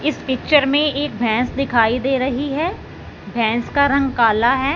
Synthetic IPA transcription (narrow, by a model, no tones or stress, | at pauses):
ɪspɪkt͡ʃəɾmẽeːk̚bʱɛ̃ːsd̪ɪkʰaːid̪eːɾɐɦiɦɛː | bʱɛ̃ːskaɾɐ̃ŋɡkaːlaɦɛː